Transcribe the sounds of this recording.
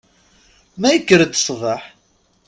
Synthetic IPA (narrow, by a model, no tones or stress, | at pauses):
mæjəkːəɾəd̪sˤðˤəħ